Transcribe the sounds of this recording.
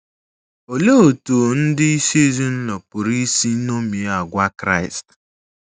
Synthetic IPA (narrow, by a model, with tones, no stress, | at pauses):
o˨le˦o˨to˨n̩˦dɪ˦i˦se˦zi˦n̩˦nɔ˨pʊ˨ɾi˦si˦no˦mi˨˦a˨ɡʷa˦kɾa̰˦˨ɪ˨st